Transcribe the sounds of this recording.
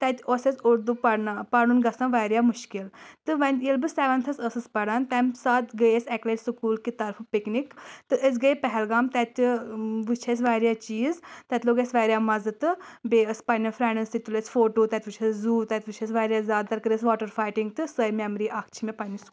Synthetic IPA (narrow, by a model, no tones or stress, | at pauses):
t̪ɛt̪ʲoːsesʲʊɾd̪upɐɽnapɐɽunɡɐsãnʋaːɾjaːmʊʃkɪlt̪ɨʋɐnilbɨsɛːʋɐnt̪ʰɐsəsɨspɐɽant̪ɛmsaːt̪ɡəjesɛkleːt͡ʃsɨkuːlkit̪ɐɾfʰpɪknikt̪ɨʔəs̬ɡəepɛɦɛlɡaːmt̪ɛt̪ʲʋɨt͡ʃʰes̬ʋaːɾjaːt͡ʃiːzt̪ɛt̪ʲloːɡesʋaːɾjaːmɐzɨt̪ɨbeːəspɐnifʰɾɛːnɐnsit̪ulesfoːʈoːt̪ɛt̪ʲʋut͡ʃʰeszuːt̪ɛt̪ʲʋɨt͡ʃʰesʋaːɾjaːzʲaːd̪̚t̪ɐɾkɨɾesʋaːʈəɾfʰaːjʈɪŋɡt̪ɨsəjmemɾiʔakʰt͡ʃʰimẽpɐniskː